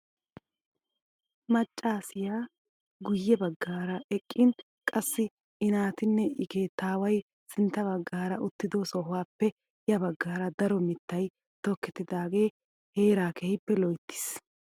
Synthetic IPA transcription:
mɐt͡ʃʼːaːsɪjaː | ɡʊjːɛbɐɡːaːɾɐʔɛkʼːɪn | kʼɐsːɪ | ɪnaːt̪ɪnːɛɪkeːt̪aːwɐj | sɪnt̪ːɐbɐɡːaːɾɐʔʊt̪ːɪd̪osɔɦʊwaːpːɛ | jɐbɐɡːaːɾɐd̪ɐɾɔmɪt̪ːɐj | t̪ɔkːɛt̪ːɪd̪aːɡe̞ː | he̞ːɾaːkɛhɪpːɛlɔjt̪ːɪ̥s

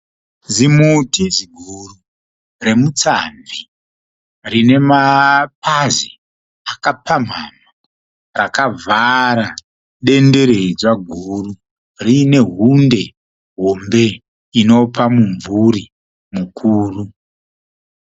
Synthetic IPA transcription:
zimutiziɡʱuru | re̞mut͡samvi | rine̞mapʰazi | akapʰam̤ama | rakavʱaɾa | ɗe̞nde̞ɾe̞id͡zwaɡʱuru | rine̞ɦunde̞ | ɦo̞mbe̞ | ino̞pamuɱvuɾi | mukʰuːru

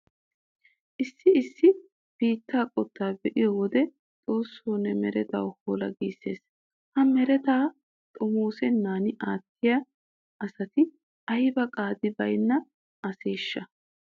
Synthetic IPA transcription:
ʔɪsːɪɪsːɪ | b̥iːt̪ːaːkʼɔt̪ːaːbɛʔɪjɔwɔd̪ɛ | t͡sʼoːsːoːnːɛmɛɾɛt̪a̰whoːlɐ̰ɡiːsːe̞ːs | hɐmɛɾɛt̪aː | t̪ʼɔmoːsɛnːaːnɪʔaːt̪ːɪja | ʔɐsɐt̪ɪ | ɐjɪbɐkʼaːd̪ɪbɐjnːɐ | ɐseːʃːɐ

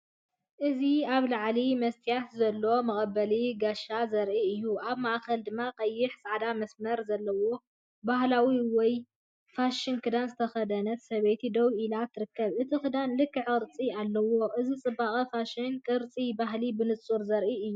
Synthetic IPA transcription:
ʔɨziaβlaʕlimɐst̪ʰijat̪zɐlːo̞mɐχʼɐbːɐliɡaʃazɐɾʔiɨjːuʔaβmaʔkɐld̪ɨmːaqʼɐjːɪħsaʕd̪amɐsmɐɾzɐlːɐwo̞ | bahlawiwɔj | faʃɪnkʰɨd̪anzɨt̪ʰɐxɐd̪ɐnɐt̪sɐβet̪ʰid̪ɐwʔilat̪ʰːɨɾɨkːɐβʔɨt̪ʰikɨd̪anlɨkʰːɨʕɨɾt͡sʼialːɐwo̞ʔɨzit͡sʼɨbːaχʼifaʃɪnkʼɨɾt͡sʼibaɦlibɨnɨt͡sʼuɾzɐɾʔiɨjːu

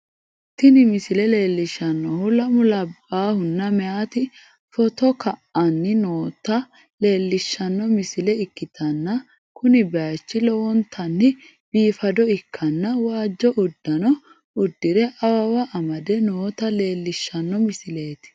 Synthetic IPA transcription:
t̪ːɪnɪmɪsɪlɛle̞ːlːɪʃːɐnːɔhʊlɐmʊlɐbːaːhʊnːɐmɛaːt̪ɪ | fɔt̪ɔkɐʔɐnːɪnoːt̪ɐ | le̞ːlːɪʃːɐnːɔmɪsɪlɛɪkːɪt̪ʰɐnːɐ | kʊnɪbɛat͡ʃːɪlɔwɔnt̪ʰɐnːɪ | b̥iːfɐd̪ɔɪkʰːɐnːɐwaːd͡ʒːɔʔʊd̪ːɐnɔ | ʊd̪ːɪɾɛʔɐwɐwɐʔɐmɐd̪ɛnoːt̪ɐle̞ːlːɪʃːɐnːɔmɪsɪle̞ːt̪ɪ̥

